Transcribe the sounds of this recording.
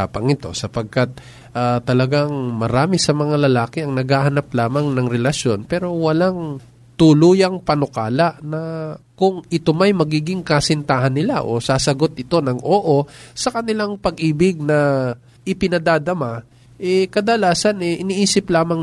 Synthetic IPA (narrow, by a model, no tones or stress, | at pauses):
apɐŋɪt̪o̞̰sɐpɐɡ̚kat̪̚ | ʔat̪ɐlɐɡaŋmɐɾaːmɪsɐmɐŋalɐlaːkɪɐŋnɐɡhaːhɐnaplaːmɐŋnɐŋɾɛlɐʃjo̞npɛːɾo̞wɐlaŋ | t̪ʊluːjɐŋpɐnokaːlɐʔnɐkʊŋʔɪt̪o̞mɐjmɐɡiːɡɪŋkɐsɪnt̪ahɐnːɪla̰ʔo̞̰saːsɐɡo̞t̪̚ʔɪt̪o̞nɐŋʔoːʔo̞sɐkɐnɪlaŋpɐɡʔiːbɪɡ̚nɐ | ʔɪpɪnɐd̪aːd̪ɐma | ʔɛkɐd̪ɐlaːsɐnɛʔɪniʔiːsɪplaːmɐŋ